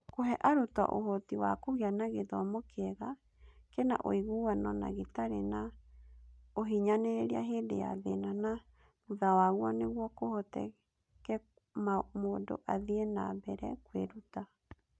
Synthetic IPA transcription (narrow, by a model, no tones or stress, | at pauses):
koɦɛʔaɾotwa̰ʔo̰ɦotiwakoɣeanaɣeðɔmokɛɣa | kena̰ʔo̰iɣuwanɔna̰ɣetaɾḛna | oɦiɲaneɾeɾia̰ɦeːndḛja̰ðenana | muðawaɣwaneɣwɔkohotɛ̰ | kɛ | mamoːndo̰ʔaðienabɛɾɛ̰kweɾuta